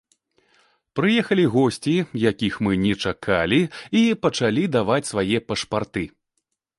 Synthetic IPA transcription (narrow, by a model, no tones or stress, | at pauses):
pɾɨjɛxɐlʲiɣɔsʲt͡sʲijakʲixmɨnʲɛt͡ʂakʰalʲiipɐt͡ʂalʲid̪avat͡sʲsvajɛpɐʂpart̪ɨ